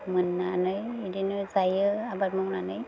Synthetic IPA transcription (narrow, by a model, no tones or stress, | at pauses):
mɯnːanɯjidinɯzajɯabat̚mɔŋnanɯj